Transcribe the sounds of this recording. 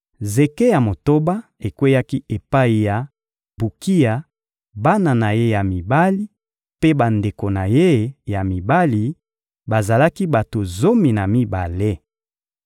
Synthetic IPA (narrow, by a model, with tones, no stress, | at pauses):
ze˨ke˦ja˨mo˨to˦ba˦e˨kwe˦ja˦ki˦e˨pa˦i˨ja˨ | bu˨ki˦ja˨ | ba˦na˨na˨je˦ja˨mi˨ba˦li˦ | pe˦ba˨nde˨ko˨na˨je˦ja˨mi˨ba˦li˨ | ba˨za˨la˦ki˦ba˨to˨zo˦mi˨na˨mi˦ba̰˨le˦